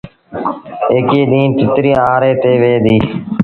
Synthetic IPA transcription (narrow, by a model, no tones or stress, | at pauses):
eːkeːɗiːnt̪ɪt̪ɾiːaːɾeːt̪eːʋeːd̪iː